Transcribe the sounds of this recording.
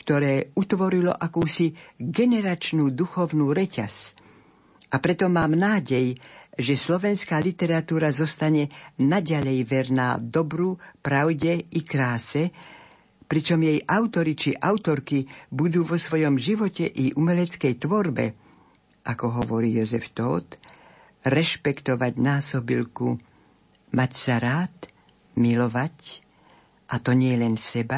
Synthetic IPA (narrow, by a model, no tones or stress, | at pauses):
kt̪ɔɾɛːut̪ʋɔɾilɔ̰ʔakuːsiɡɛnɛɾat͡ʃnuːd̪uxɔʊnuːɾɛca̰s | ʔapɾɛt̪ɔmaːmnaːɟɛjʒɛslɔʋɛnskaːlit̪ɛɾat̪uːɾazɔst̪aɲɛnaɟaʎɛjʋɛɾna̰ːd̪ɔbɾupɾaʊɟɛikɾaːsɛ | pɾit͡ʃɔmjɛjʔaʊt̪ɔɾit͡ʃiʔaʊt̪ɔɾkibud̪uːʋɔsʋɔjɔmʒiʋɔcɛʔiʔumɛlɛt͡skɛjt̪ʋɔɾbɛ̰ | ʔakɔɦɔʋɔɾiːjɔzɛft̪ɔ̰ːt̪ | ɾɛʃpɛkt̪ɔʋaɟnaːsɔbḭlku | macsaɾaːt̪ | milɔʋac | ʔat̪ɔɲɪɛlɛnsɛba